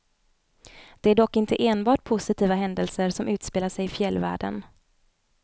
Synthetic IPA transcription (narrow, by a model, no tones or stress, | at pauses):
d̪̥ɛæɖɔkːɪnt̪əʔeːnbɑːʈ̚pʰʊsɪt̪ʰiːvaɦɛnd̪əlsəɾʂɔmʉ̟ːt̪speːlaʂɛjɪfjɛlːvæ̰ːɖə̰n